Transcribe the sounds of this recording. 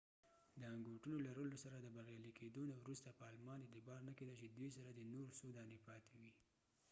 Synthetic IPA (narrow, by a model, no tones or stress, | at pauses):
d̪əaŋɡoʈunolaɾəlosaɾad̪əbaɣjɑlikʰed̪onawɾust̪apəɑlmɑnd̪ed̪əbɑɾnaked̪əlt͡ʃed̪wisaɾad̪ənoɾsod̪ɑnepɑt̪ewi